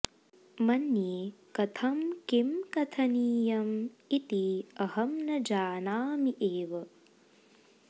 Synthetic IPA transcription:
mɐnjeːkɐt̪ʰɐmkimkɐt̪ʰɐniːjɐmit̪iɐhɐmnɐd͡ʒaːnaːmiʔeːʋɐ

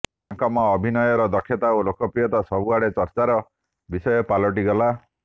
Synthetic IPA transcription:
aŋkɔmɔːbʱinɔjɔɾɔd̪ɔkʰːjɔt̪aolokɔpijɔt̪ɔsɔbuaɽet͡ʃɔɾt͡ʃaɾɔ | bisɔjɔpalɔʈiɡɔla

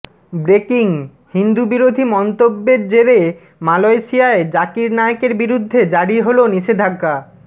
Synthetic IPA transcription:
bɾekiŋ | hind̪ubiɾod̪ʱimɔnt̪obːeɾd͡ʑeɾe | malojʃiaed͡ʑakiɾnaeokeɾbiɾud̪ʱːed͡ʑaɽiɦoloniʃed̪ʱaɡːa

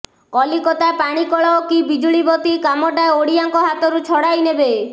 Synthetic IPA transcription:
kɔlikɔt̪aepaɽ̃ikɔɭɔokibid͡ʒuɭibɔt̪ikamɔʈaeoɽijaŋkɔɦat̪ɔɾut͡ʃʰɔɽajnebe

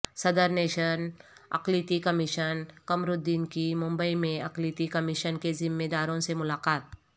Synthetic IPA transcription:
sɐd̪əɾneːʃənɐ̰qliːt̪ikɐmɪʃənkɐmɾʊd̪ːiːnkimʊ̃mbəimẽɐqliːt̪ikɐmɪʃənkezɪmːeːd̪aːɾõsemʊlaːqaːt̪̚

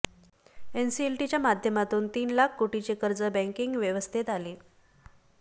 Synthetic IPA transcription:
ensielʈit͡ɕjamad̪ʱjəmat̪uːnt̪iːnlakʰkoʈit͡ɕekəɾd͡zəbɛ̃ŋkiŋɡʋjəʋəst̪ʰit̪ale

